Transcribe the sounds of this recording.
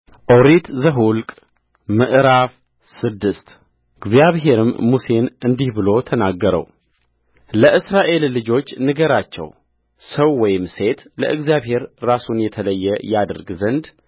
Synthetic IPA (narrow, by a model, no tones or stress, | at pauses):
ʔoɾit̪zəɦulkʼ | mɨʔɾaf | sɨd̪ːɨst̪ | ɨɡzjaβɦe̞ɾɨmːuse̞nɨnd̪ihbɨlo̞t̪ʰənaɡːəɾə̰w | ləʔɨsɾaʔe̞lːɨd͡ʒo̞t͡ʃːnɨɡəɾat͡ʃːɛ̰w | səwːɔjɪmse̞t̪lə̰ʔɨɡzjaβhe̞ɾːasunjɛt̪ʰələjːɛjad̪əɾɡzənd̪